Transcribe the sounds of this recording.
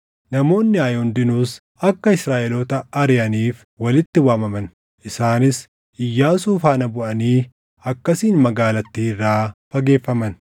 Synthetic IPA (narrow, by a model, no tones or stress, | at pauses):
nɐmo̞ːnːɪɐːjɔnd̪ɪnuːs | ɐkːɐɪsɾaːʔɛlot̪ɐɐɾɪjɐniːf | wɐlɪt̪ːɪwaːmɐmɐn | ʔɪsaːnɪs | ʔɪjːaːsuːfaːnɐbʊʔɐniː | ɐkːɐsiːnmɐɡaːlɐt̪ːiːrːaːfɐɡe̞ːfːɐmɐn